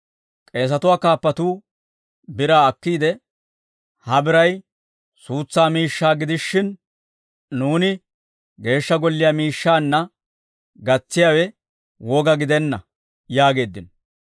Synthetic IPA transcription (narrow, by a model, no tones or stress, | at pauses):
kʼe̞ːs̬ɐt̪ʊwaːkaːpːɐt̪uː | bɪɾaːɐkːiːd̪ɛ | hɐbɪɾɐj | suːt͡sːaːmiːʃːaːɡɪd̪ɪʃːɪn | nuːnɪ | ɡe̞ːʃːɐɡɔlːɪjaːmiːʃːaːnːɐ | ɡɐt͡sːɪjaːwɛ | wɔɡɐɡɪd̪ɛnːɐ | jaːɡe̞ːd̪ːɪn